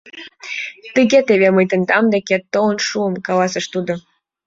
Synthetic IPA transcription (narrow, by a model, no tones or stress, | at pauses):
t̪ɨɣʲet̪eβeməjt̪ə̆nd̪ɑmd̪eket̪ːoənʃuə̆mkɑlɑsə̆ʃt̪ud̪o